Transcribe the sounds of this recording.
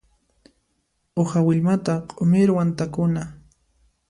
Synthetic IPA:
ohawɪʎmat̪aqʼomɪɾwant̪akʊna

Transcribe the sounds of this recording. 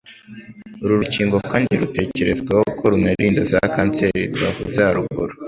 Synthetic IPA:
uɾuɾuciːŋɡokaːndiɾute̞ːce̞ɾe̞zɡwahoukʰoɾunaɾiːndazakaːnt͡se̞ɾidɡwahuzaɾuɡuɾo

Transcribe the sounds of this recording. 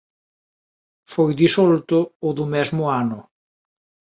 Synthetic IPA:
fojðisolt̪ʊːðʊmɛzmʊanʊ

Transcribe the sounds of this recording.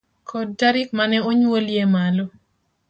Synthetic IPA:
kʰɔddaɾɪk̚manɛoɲwoljemalo

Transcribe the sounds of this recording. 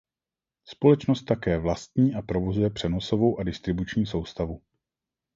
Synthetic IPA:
spo̞lɛt͡ʃnost̪ːakɛːvlast̪ɲiːʔapɾo̞vo̞zujɛpr̝̥ɛno̞so̞vo̞wʔadɪst̪ɾɪbut͡ʃɲiːso̞wst̪avu

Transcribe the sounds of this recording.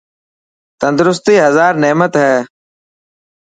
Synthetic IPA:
t̪ənd̪ɾʊst̪iːɦəzaːɾneːmət̪ɦɛː

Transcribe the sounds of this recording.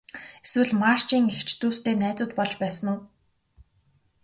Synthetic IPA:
eswɘ̆ɮmar̥t͡ɕiːŋext͡ɕʰt̪uːst̪eːnæːt͡sʊːt̪̚pɔɮt͡ɕpæːsə̆nʊː

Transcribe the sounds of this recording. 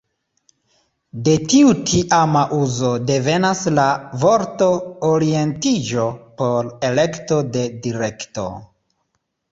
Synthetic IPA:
de̞tiutʰiʔamaʔuzo̞de̞ve̞naslavo̞ɾto̞oɾie̞ntid͡ʒo̞po̞ɾe̞le̞kto̞de̞diɾe̞kto̞̰

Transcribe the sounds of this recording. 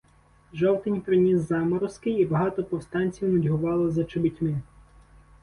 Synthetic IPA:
ʒɔwt̪ɪnʲpɾɪnʲizːɑmɔɾʊskɪjibɐɦɑt̪ɔpɔwst̪ɑnʲt͡sʲiwnɐdʲɦʊʋɑlˠɔzɐt͡ʃɪbitʲmɪ

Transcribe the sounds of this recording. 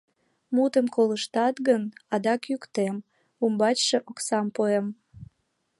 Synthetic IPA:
mut̪əmkoləʃt̪ɑt̪ɣənɑd̪ɑkjykt̪em | umbɑt͡ɕʃeʔoksɑmpoem

